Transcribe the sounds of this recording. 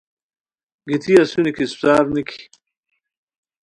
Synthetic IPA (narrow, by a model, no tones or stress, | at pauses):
ɡit̪ʰiasunikisptaːɾnikʰi̥